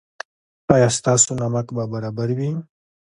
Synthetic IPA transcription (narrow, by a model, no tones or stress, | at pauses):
ɑjɑst̪ɑsonamakbabaɾɑbaɾwi